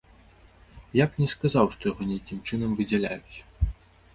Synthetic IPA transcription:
jaknʲɛskazawʂt̪ɔjaɣɔnʲejakʲimt͡ʂɨn̪ɐmvɨd͡zʲɛlʲa̰jut͡sʲ

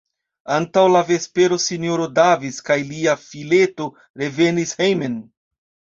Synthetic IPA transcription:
antawlave̞spe̞ɾo̞sinjoɾo̞daviskajliafile̞to̞ | ɾe̞ve̞nishejmen

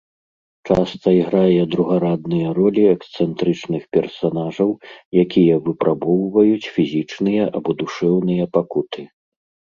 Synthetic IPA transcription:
t͡ʂast̪ɐiɣɾajɛd̪ɾuɣaɾad̪̚nɨjɐɾɔlʲiɛkst̪sɛnt̪ɾɨt͡ʂnɨxpʲɛrsanaʐɐwjakʲijɐvɨpɾʔabɔwvɐjut͡sʲfʲizʲit͡ʂnɨjɐʔabɔd̪uʂɛwnɨjɐpakut̪ʰɨ

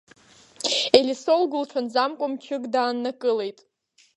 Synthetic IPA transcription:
elʲisolɡʊlʈ͡ʂʷʰanzamkʷʼʊmt͡ʃʰɪɡdaːnːakʼɨle̞jtʼ

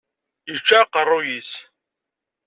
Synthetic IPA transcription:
jit͡ʃːaqərˤːʊjis

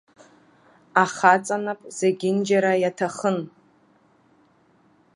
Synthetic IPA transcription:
aχat͡sʼanapʼz̥eɡʲɪnd͡ʒaɾajatʰaχən

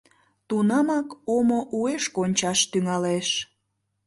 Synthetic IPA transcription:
t̪unɑmɑkomoʔueʃkonʲt͡ɕɑʃt̪yŋɑleʃ

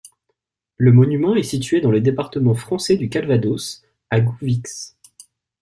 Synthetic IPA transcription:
ləmɔnymɑ̃ɛsit̪ɥed̪ɑ̃led̪epaʁt̪əmɑ̃fχɑ̃sɛd̪ykalvad̪os | aɡuviks

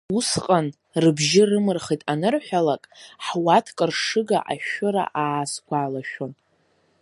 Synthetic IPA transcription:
usqʼan | rɨbʒɪrɨmɨrχijtʼanɨrħʷᶣalakʼħwatʰkʼɨrʂɨɡa̰ʔaʃʊɾa̰ʔaːskʷʰʼaːlaʃᶣon

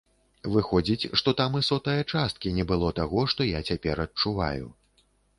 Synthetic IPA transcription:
vɨxɔd͡zʲit͡sʲʂt̪ɔt̪amɨsɔt̪ɐjɐt͡ʂast̪̚kʲinʲɛbɨlˠɔt̪aɣɔʂt̪ɔjat͡sʲapʲɛɾɐtt͡ʂuva̰jṵ

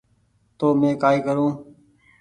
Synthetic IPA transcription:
t̪oːmẽːkaːiːkəɾũː

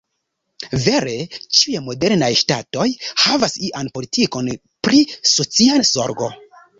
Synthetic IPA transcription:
ve̞ɾe̞t͡ʃijemo̞de̞ɾnajʃtato̞jhavasiʔanpo̞litiko̞n | pɾiso̞t͡siazo̞̰ɾɡo̞̰

